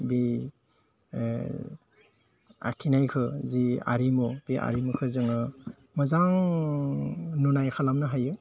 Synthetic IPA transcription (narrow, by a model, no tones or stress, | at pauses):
bi | a̰kʰinajkʰɯzia̰ɾimub̥ia̰ɾimukʰɯzɯŋɯ | mɯzaŋ | nunajkʰalamnɯɦaju